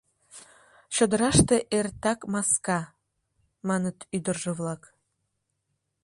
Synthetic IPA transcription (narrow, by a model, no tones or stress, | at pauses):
ɕod̪əɾɑʃt̪eʔert̪ɑkmɑskɑ | mɑnət̪yd̪ərʒeβlɑk